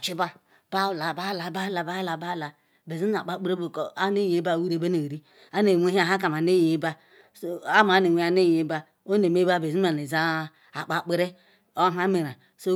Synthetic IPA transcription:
t͡ʃi˦ba˦ | b̥a˦˨la˨ba˦˨la˨ba˦la˨ba˦la˨ba˦˨la˨ | be˨zi˦˨a̰˨k͡pa˨˦k͡pe˦ɾe˦bo˨ko˨a˦ne˦je˨˦ba˦˨wi˦ɾe˨ba˦ne˨ɾi˦ | a˦ne˨we˦ɦa˨ɦa˦ka˨m˨a˨ne˦je˦ba˦ | so˦a˦m˨a˦ne˨we˨˦a˦ne˦je˨˦ba˦ | o˦ne˨me˦ba˦be˨zi˦a˨ni˨za˦ | a˨k͡pa˨k͡pe˦ɾe˦ | o˦ɦa˦me˨ɾa˨ | so˦

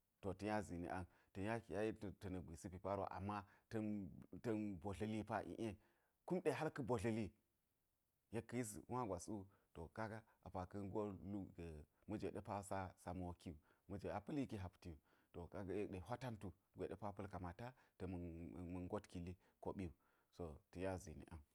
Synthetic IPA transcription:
to˨tɐ˨ja˦zi˨nḭ˨ʔa˦n | tɐ˨ja˦˨ja˦i˦˨tɐ˨nɐ˨ɡʷi˨si˦pi˨pa˦ɾwa̰˨ʔa̰˨mːa˦tɐ˦tɐ˦nbo˨ɬə˦li˦pa˦ʔḭ˦˨ʔe˦ | ku˦mɗe˦˨ɦa˦lkə˦bo˨ɬə˦li˦ | je˦kːə˦ji˦s̬a˦ɡʷa˨su˦ | to˨ka˦ɡa˦ | a̰˨pa˨kɐ˦nɡo˦lu˦˨ɡə˨mɐ˦d͡ʒe˨ɗe˦pa˦sa˦sa˨mu˦˨wki˦u˨mɐ˦d͡ʒe˨a˨pə˦li˦ki˦ɦa˨pti˨ju˨to˨ka˦ɡa˦je˦ɗe˨ɦʷa˦ta˦ntu˨ | ɡʷe˨ɗe˦pa˦pɐ˦lka˨ma˨ta˦tɐ˨m˨mɐ˨nɡo˦tki˨li˦ | ko˨ɓi˦u˨ | so˨ti˨ja˦zḭ˨nḭ˨ʔa˨

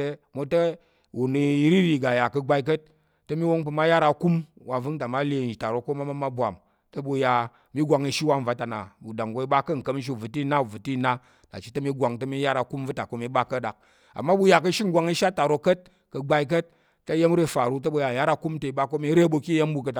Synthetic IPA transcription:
e˧mo˧tɐ˦ | wu˨ni˨i˦ɾi˦ɾi˧˨ɡa˨ja˨kɐ˧ɡ͡ba˧i˦k̬ə˦t̚ː | ɐ˦mi˦wo˦ŋp̬ɨ˧ma˦ja˦ɾa˧ku˦mwa˧vɨ˦ŋta˨ma˦le˧˨d͡ʒi˨ta˨ɾo˧ko˦ma˦ma˦ma˦bʷa̰˨m | tɐ˦bu˧ja˧ | mi˦ɡʷa˧ŋi˧ʃi˦wa˧m̩˨a˧ta˨na̰˨bu˨da˨ŋɡo˨˧i˦ba˦kɐ˦˨ŋ̩˨kə˧˦m̩˦ʃ̬i˦˨vu˨ti˦na˦˨vu˨ti˦˨na˦ | ta̰˨t͡ʃi̥˦tɐ˦mi˦ɡʷa˨ŋtɐ˧mi˦ja˦ɾa˨˧ku˦m˦vɨ˦ta˨ko˧˦mi˧ba˦kə˦ɗa˨k̚ | a̰˨mːa˦bu˧ja˧k̬ɐ˧ʃi˦ŋ̩˦ɡʷa˧ŋi˦ʃa˦ta˨ɾo˧kə˦t̚ | kə˧ɡ͡ba˧i˦k̬ə˦t̚ː | ɐ˦je˦m˦ɾe˦fa˨ɾu˦t̬ɐ˦bu˧ja˨ja˦ɾa˧˦ku˦m˦tɐ˧i˨ba˦ko˦mi˦ɾe˦bu˧ki˦je˦m˦bu˧kə˧t

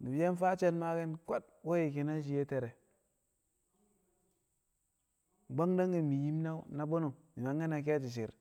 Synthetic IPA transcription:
ni˨˦je˦n˦fa˦t͡ʃe˦nma˦ke˦nko˦t̚ | wo˦ji˨ki˨na˦ʃ̬i˨je˦te˨ɾe˨ | ɡ͡ba˦ŋda˦ŋɡi˨mi˨ji˦mna˦na˦bo˦no˨mi˨ma˨ŋe˦na˨k̬e˦t͡ʃi˨ʃ̬i˨ɾ

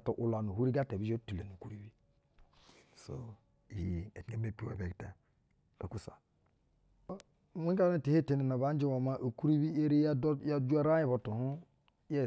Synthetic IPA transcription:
to˨ʔu˨la˨nu˨ɦu˦ɾi˦ɡa˦te˨bi˦d͡ʒo˦tu˨le˨nu˨ku˦ɾi˦bi˦ | so̰˨ | i˨je˨te˦me˦pi˨ḛ˨be˨kte˨ | o̰˨ku˦sa̰˨˦˨ | wi˦ka˦ne˦˨te˨he˦˨te˨ne˨na˨βa˦n˦d͡ʒi˦wa˨ma˦ʔo˨ku˦ɾi˦bi˦e˦ɾi˦jja˦d͡ʒu˦a˦ɾa˦ji˨bo˨tu˨hu˦ | je˦˨

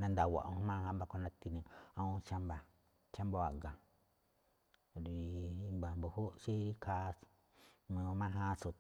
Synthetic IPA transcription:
nã˧nd̪a˨wa̰˨ʔõ˧˦mã˦˧hã˧˦mba˧ko˧nã˧t̪i˧nĩ˧ã˧ũ˦t͡ʃa˦mba˨ | t͡ʃa˦mbo˧a˨ɡa˨ | ɾi˨˧i˧mba˨mbo˨ho˦ʃe˦ɾi˦kʰa˦ | mã˧mã˦ɦã˦˧so˧

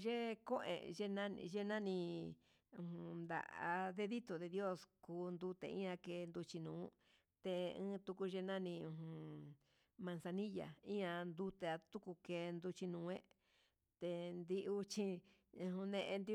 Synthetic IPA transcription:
ʒe˦ko˦ʔḛ̃˨ʒe˧nã˦ʒe˦nã˦nĩ˧ | ũ˧hũ˧nd̪a̰˨ʔa̰˧ðe˧ði˦t̪o˨ðe˧ðjo˦skuː˧nd̪u˧t̪ḛ˧˨ḭ̃˦ã˧ke˧nd̪u˧t͡ʃi˧nũː˨˦ | t̪e˧ɨ̃ː˦t̪u˧ku˧ʒe˧nã˦nĩ˧ũ˧ɦũ˧ | mã˧nsa˧nĩ˦ja̰˨ĩ˦ã˧nd̪u˧t̪e˧a˧t̪u˦ku˧keː˧nd̪u˧t͡ʃi˧nũː˨˦ẽ˦ | t̪e˧nd̪i˧ʔu˦t͡ʃĩ˧ | ɦũ˧nẽ˧ʔe˧nd̪i˧

